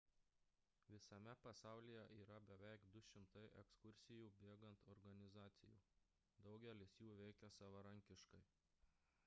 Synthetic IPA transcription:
ʋʲɪsɐmʲɛpɐsɑˑʊlʲijɛʔiːɾɐbʲɛʋʲɛɪkd̪ʊʃʲɪmt̪ɐɪʔɛkskʊɾʲsʲɪjuːbʲeːɡɐnt̪ɔɾɡɐnʲɪzɑːt̪sʲɪjṵː | d̪ɒʊɡʲɛlʲɪsjuːʋʲɛɪkʲɛsɐʋɐɾɐŋʲkʲɪʃkɐɪ

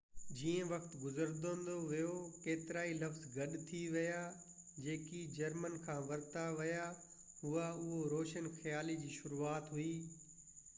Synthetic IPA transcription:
d͡ʑiːə̃ʋɐkt̪ɡʊzəɾd̪õnd̪oʋijokeːt̪ɪɾaːilɐfzɡɐɗt̪ʰiʋɐja | d͡ʑeːkid͡ʑɐɾmənkʰãːʋɐɾt̪aʋɐja | ɦʊaʊɦoɾoːʃənxjaːlid͡ʑiːʃʊɾuaːt̪ɦʊiː

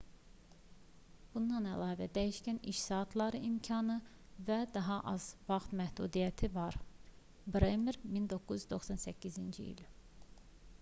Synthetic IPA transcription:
b̥und̪ɑnælɑːvæd̪æjiʃcæniʃsɑːt̪ʰlˠɑɾɯimcʰɑnɯ | væd̪ɑɦɑʔɑz̥vɑχt̪mæhd̪ṵd̪ijæt̪ʰivɑɾ | bɾemeɾmind̪o̞kʰːuzyzd̪o̞xsɑnsæcʰːizind͡ʒiḭl

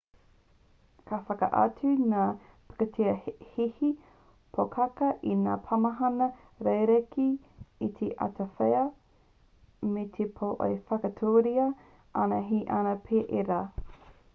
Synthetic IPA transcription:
kʰafɐkɐ̰ʔɐ̰t͡sʉnaː | pḁkɐtʰiɐhihi | pʰokʰɐkɐʔina̰ːpʰɐmɐɦɐnɐ | ɾejɾekiː | t̪ʰeʔɐ̰tʰɐfeɐ | metʰepʰoʔo̰efɐkɐtʰoːɾiɐ | ʔɐnɐɦiʔanɐpʰeːʔeɾaː

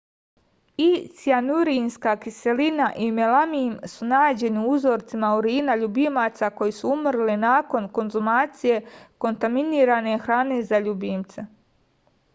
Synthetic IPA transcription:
isianuɾinskakise̞linaʔimelamimsunaːd͡ʑe̞niuzo̞ːɾt̪simauɾiːnaʎubimaːt̪sako̞jisuumrlinaːko̞nko̞nzumaːt̪sije̞ko̞nt̪aminiːɾane̞xɾaːne̞zaʎubimt̪se

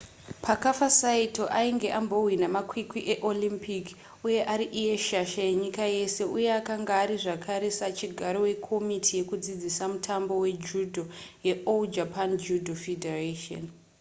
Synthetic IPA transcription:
pakafasaito̞ʔaiŋɡe̞ʔambo̞winamakwikwiʔeʔo̞limpik | uje̞ʔaɾiʔije̞ʃaʃajeɲikaje̞se̞ʔuje̞akaŋɡaːɾiʐakʰaɾe̞sat͡ʃiɡʱaɾo̞we̞kʰo̞mitʰije̞kud͡zid͡zisamutʰambo̞we̞d͡ʒudʱoje̞ʔold͡ʒapand͡ʒudʱofedʱerato̰n

